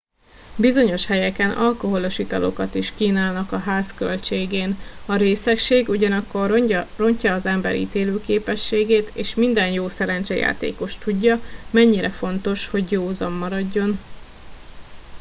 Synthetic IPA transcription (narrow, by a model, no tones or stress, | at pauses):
bizo̞ɲo̞ʃhɛjɛkɛnʔɒlko̞ɦo̞lo̞ʃit̪ɒ̰lo̞̰kɒt̪iʃkiːnaːlnɒkɒɦaːskø̞̰lt͡ʃeːɡeːnɒɾeːsɛkʃeːɡuɟɒnɒkːo̞rro̞ɲcɒːzɛmbɛ̰ɾḭːt̪eːløːkeːpɛʃːeːɡeːt̪eːʃmind̪ɛnjoːsɛɾɛnt͡ʃɛja̰ːt̪ḛːko̞ʃt̪uɟːɒmɛɲːiɾɛfo̞nt̪o̞ʃho̞ɟjoːzɒmːɒɾɒɟːo̞n